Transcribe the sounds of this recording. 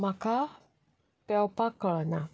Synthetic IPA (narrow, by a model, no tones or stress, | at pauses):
mãka | pɛopakələnã